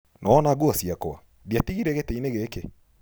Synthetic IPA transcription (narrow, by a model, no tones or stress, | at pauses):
nʔɔːnaɡuasiakɔa̰ | diatiɣiɾɛɣɛtɛinɛɣɛkɛ